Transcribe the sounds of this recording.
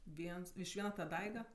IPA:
ˈʋʲiɛns ɪʃ ˈʋʲiɛnɐ tɐ ˈdɐɪɡɐ

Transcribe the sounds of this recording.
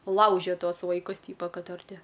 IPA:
ˈlˠɐʊʒʲɛ ˈtuɔs ʋɐɪˈkʊs ˈtʲiːpɐ ˈkɐt ɐr ˈtʲɪ

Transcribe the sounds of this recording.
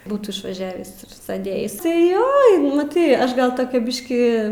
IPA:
ˈbuːtuː ɪʃʋɐˈʒʲæːʋʲiːs ɪr ˈsʲæːdʲeːjɪs tɐɪ ˈjoː mɐˈtɐɪ ˈɐʃ ɡɐlˠ ˈtoːkʲɛ ˈbʲɪʃʲkʲiː

